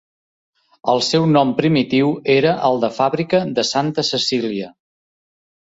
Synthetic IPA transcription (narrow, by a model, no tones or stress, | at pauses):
əlˠsɛwnɔmpɾimit̪iweɾəʔəlˠd̪əfaβɾikəðəsant̪əsəsiliə